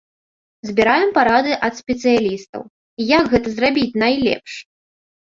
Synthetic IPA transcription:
zʲbʲiɾajɛmpaɾad̪ɨʔɐt̪sʲpʲɛt̪sɨjalʲist̪ɐ̰w | ijaɡɣɛt̪ɐzrabʲit͡sʲnajlʲɛ̰pʂ

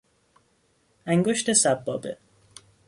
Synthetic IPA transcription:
æŋɡoʃt̪esæbːɒ̰bḛ

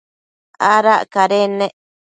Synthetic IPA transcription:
aɾaʔkaɾenẽ

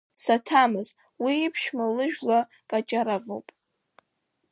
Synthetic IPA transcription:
satʰamɨz | wiːpʰʃmalɨʒᶣla | kʼat͡ʃʼaɾavo̰wpʼ

